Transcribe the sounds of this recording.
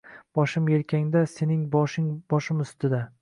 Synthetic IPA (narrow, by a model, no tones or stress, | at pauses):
b̥ɒʃɪmjelkʲʰaŋd̪ase̞nɪŋbɒʃɪŋbɒʃɪmʊst̪ɪd̪a